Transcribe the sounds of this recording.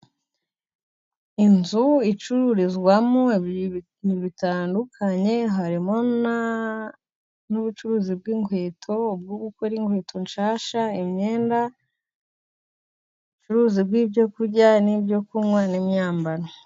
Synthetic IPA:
inzuit͡ʃuɾuɾizɡwamo | niβitaːndukʰaɲe̞ɦaɾimona | nuβut͡ʃuɾuːzib̚ɡiŋɡwe̞ːtʰo̞ub̚ɡoːɡukoɾiŋɡwe̞ːtʰo̞nʃaːʃaimɲe̞ːnda | βut͡ʃuɾuːzibɡiːbɟo̞kuɾɟanibɟo̞kumwanimɲaːmbaɾo

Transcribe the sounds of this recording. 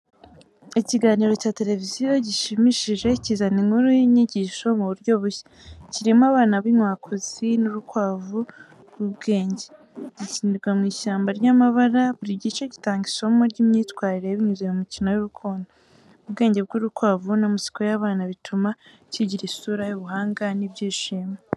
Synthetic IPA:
iciɡaːniːɾo̞caːte̞le̞vizijo̞ɟiʃimiʃiʒe̞cizaniŋhuɾuiɲiɟiːʃo̞muβuɾɟo̞βuçḁ | ciɾimaβaːnaβinwaːkʰoz̥inuɾukwaːvu | ɡubɡe̞ːɲɟe̞ | ɟ̥iciːndiɾɡwamŋiːʃaːmbaɾɟamaβaɾaβuɾiɟit͡ʃeɟitaːŋɡiʃo̞moɾɟiːmɲiːtkwaːɾiɾeβiɲuzeumicino̞juɾukʰoːnda | ubɡe̞ːɲɟe̞b̚ɡuːɾukwaːvunamuzi̥kojaβaːnaβitʰuma | ciɟiɾisuːɾajuβuɦaːŋɡanibɟiːʃiːme

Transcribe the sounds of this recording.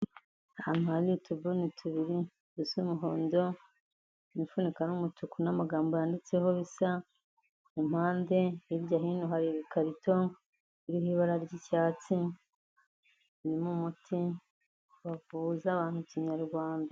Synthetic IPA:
amalitʰubunitʰuβiɾi | dusumuɦo̞ːndo̞ | nifunikaɾumutʰukunamaɡaːmbojaːndit͡se̞hoβisa | im̥haːnde̞iɾɟaɦiːnuɦaɾiβikaɾitʰo̞ | iɾihiβaɾaɾɟicaːt͡si | nimumutʰi | wavuzaβaːntuciɲaɾɡwaːnda

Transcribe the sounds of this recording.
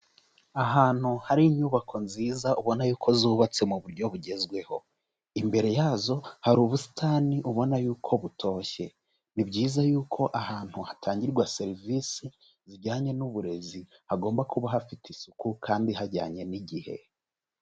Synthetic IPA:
aɦaːn̥huhaɾiɲuβakʰo̞nziːzaʔuβo̞najuːkʰo̞zuːβat͡se̞muβuɾɟo̞βuɟe̞zɡwe̞ho̞ | imbe̞ɾe̞jaːzo̞haɾuːβusi̥taːniʔuβo̞najuːkʰo̞βutʰo̞ːçe̞ | nibɟiːzajuːkʰo̞ʔahaːn̥huhatʰaːɲɟiɾɡwase̞ɾivisi | ziɾɟaːɲe̞nuβuɾe̞zi | haɡo̞ːmbakuβaɦafitisukukʰaːndiɦaɾɟaːɲe̞niɟihe̞̰

